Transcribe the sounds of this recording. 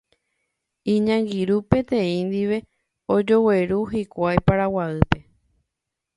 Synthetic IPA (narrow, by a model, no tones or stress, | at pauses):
ĩɲãŋɡiɾupẽ̞t̪ẽ̞ĩnd̪iʋe̞ | od͡ʒo̞we̞ɾuɦikʷajpaɾawaɨpe̞